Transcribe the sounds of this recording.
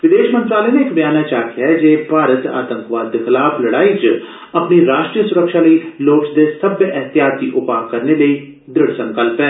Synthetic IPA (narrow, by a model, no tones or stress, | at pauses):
ʋɪd̪eːʃmə̃nt̪ɾaːləneɪkbɪjaːnat͡ʃaːkʰiad͡ʒeːbʱaːɾət̪a̰ːt̪ə̃ŋkʋaːd̪kʰɪlaːpləɽaːit͡ʃ | ɐpniɾaːʃʈɾijəsʊɾəkʃaːləiloːksd̪esəbʔɛɦt̪ɪjaːt̪̚d̪iʔʊpaːkːəɾneləiː | d̪ɾɪɽsə̃ŋkəlpɛː